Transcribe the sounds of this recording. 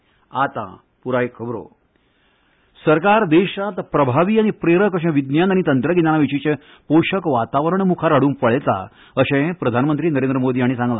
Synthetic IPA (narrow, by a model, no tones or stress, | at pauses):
at̪ã̰ | puɾaikʰəbɾo̰ | səɾkaɾd̪eɕat̪pɾəbʱaʋiːaɽ̃ipɾeɾəkəɕɛ̃ʋid̪njanaɽ̃it̪ənt̪ɾəɡinanaʋit͡ɕit͡ɕẽ | poɕəkʋat̪aʋəɾəɳmukʰaɾaɽuːnpəɭet̪a̰ | əɕɛ̃pɾəd̪ʱanəmənt̪ɾiːnəɾẽnd̪ɾəmod̪iːaɽ̃isãŋɡlã̰